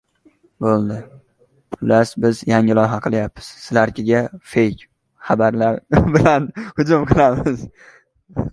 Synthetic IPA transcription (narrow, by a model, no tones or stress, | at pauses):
bolˠd̪ɪ | pʰʊlasbɪzjaŋɪlˠɒjɦaqʰɨlˠjapːɪz̥sɪlaɾkʲʰɪɡʲafejkʲ | χɑbaɾlaɾbɪlanhʊd͡ʒʊmqʰɨlˠamɪz